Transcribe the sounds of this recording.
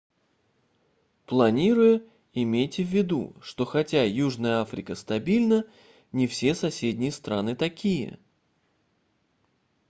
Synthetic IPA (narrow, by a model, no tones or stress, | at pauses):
plˠɐnʲiɾʊjʊ | ɪmʲejtʲɪvʲːɪd̪ṵʂt̪o̞xɐtʲajuʐnəjəafɾʲɪkəst̪ɐbʲilʲnə | nʲɪfsʲe̞sɐsʲedʲnʲɪjəst̪ɾanɨt̪ɐkʲijə̰